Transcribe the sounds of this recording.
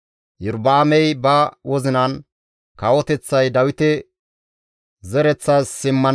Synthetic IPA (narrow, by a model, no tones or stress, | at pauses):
jɪɾbaːmɛjbɐwɔzɪnɐn | kɐwɔt̪ɛt͡sːɐjd̪ɐwɪt̪ɛ | zɛɾɛt͡sːɐssɪmːɐn